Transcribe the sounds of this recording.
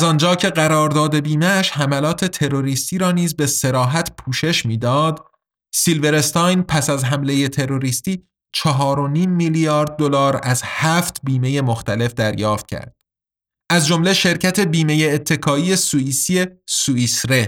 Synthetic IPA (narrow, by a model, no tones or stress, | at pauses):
zɒnd͡ʒɒːcʰe̞ɢæɾɒːɾd̪ɒːd̪e̞biːmeːʃɦæmælɒːt̪ʰe̞t̪ʰe̞ɾo̞ɾiːst̪iːɾɒːniːzbe̞se̞ɾɒːɦæt̪ʰpʰuːʃe̞ʃmiːd̪ɒːd̪ | silve̞ɾe̞st̪ɑjnpʰæsæzɦæmle̞je̞t̪ʰe̞ɾo̞ɾiːst̪iː | t͡ʃʰɒɦɒːɾo̞niːmːilijɒːɾd̪̚ːolɒːɾæzhæːft̪ʰbiːme̞je̞moxt̪æle̞fd̪æɾjɒːft̪̚cʰæ̰ɾd̪̥̚ | ʔæzd͡ʒo̞mle̞ʃe̞ɾcʰæt̪ʰe̞biːme̞jeːt̪ʰːe̞kʰɒːijesuiːsie̞suisɾe̞